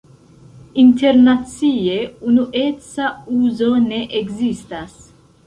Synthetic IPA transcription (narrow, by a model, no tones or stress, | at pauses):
int̪eɾnat͡sieunuʔet͡sauzoneʔeɡzist̪as